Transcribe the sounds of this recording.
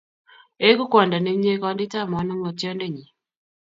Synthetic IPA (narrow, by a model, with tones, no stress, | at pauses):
e˦ɡu˦kwɔ˨nda˨ne˦mɲe˦kɔ˦ndɪ˦ta˦˨mɔ˨˦nɔ˦ŋɔ˨tjɔ˦nde˦˨ɲi˨